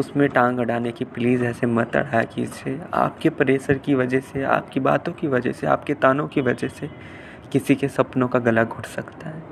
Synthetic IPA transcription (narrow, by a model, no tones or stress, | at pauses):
ʊsmẽʈãːŋɡɐɽaːnekipliːzɛːsemɐt̪ɐ̰ɽ̤aːjakḭːd͡ʒeːa̰ːp̚kepɐɾeːsəɾkiʋɐd͡ʒɛsea̰ːpkiba̰ːt̪õkiʋɐd͡ʒɛɦsea̰ːp̚ket̪aːnõkiʋɐd͡ʒɛse | kɪsikesɐpnõkaɡɐlaɡʱʊɽsɐkt̪aɦɛː